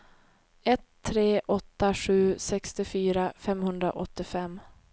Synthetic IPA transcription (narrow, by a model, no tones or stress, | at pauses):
ɛt̪ʰːɾeːʔɔt̪ːaɧʉ̟ːsɛkst̪ɪfyːɾafɛmhɵnd̪ɾa̰ʔɔt̪ːɪfɛmː